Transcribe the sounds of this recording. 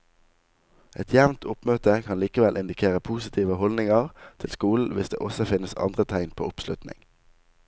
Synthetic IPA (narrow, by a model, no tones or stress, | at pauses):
ʔɛt̪ʰjæʋnt̪ʰʊpmøːt̪əkʰɑnliːkəʋɛlʔɪnd̪ɪkʰeːʁəpʰuːsɪt̪ʰiːʋəhɔlnɪŋɑʁt̪ʰɪlskuːln̩ʋɪsd̪ḛːʔɔsəfɪnəsɑ̰nd̪ʁət̪ʰæɪnpʰo̰ːʊpslʉt̪nɪ̰ŋ